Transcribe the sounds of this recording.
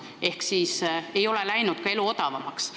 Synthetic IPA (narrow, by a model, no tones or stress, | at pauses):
e̞hksiːse̞jo̞lelæjnud̪̥kɑe̞luo̞d̪̥ɑvɑmɑks